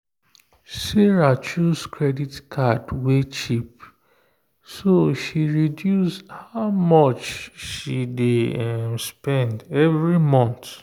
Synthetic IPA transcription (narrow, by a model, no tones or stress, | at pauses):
sɛɹat͡ʃuskʰɹɛditkʰadwet͡ʃip̚ | soʃiɹidjusdhaʊmɔt͡ʃʃidemspɛ̃ndɛvɹimɔ̃nt